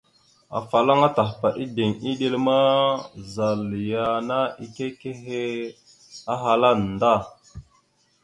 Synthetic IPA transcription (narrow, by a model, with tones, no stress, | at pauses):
a̰˨fa˨la˦ŋa˦ta˨xpa˨ʔi˦de˨ŋi˦ɗe˦lma˦za˨lja˦˨na˦i˨ke˦ke˦ɦe˦ | a˦ɦa˨la˦n˨da˦˨